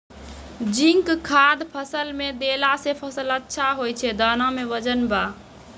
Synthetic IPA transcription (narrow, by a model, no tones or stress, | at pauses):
d͡ʒiŋkkʰːad̪pʰəsəlmed̪elasepʰəsələtːʃʰaɦojt͡ʃʰɛd̪anãmeʋəd͡ʒənba